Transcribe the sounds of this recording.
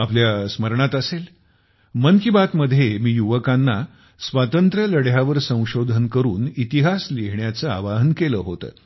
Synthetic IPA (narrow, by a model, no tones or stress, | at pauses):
apljasməɾɳat̪əsel | mənkibat̪məd̪ʱːjemiːjuʋəkanːa | sʋat̪ənt̪ɾələɽjaʋəɾsə̃w̃ɕod̪ʱənkəɾuːnit̪iɦasliɦɳjat͡səa̰ʋaɦənkeləːɦot̪ə̰ː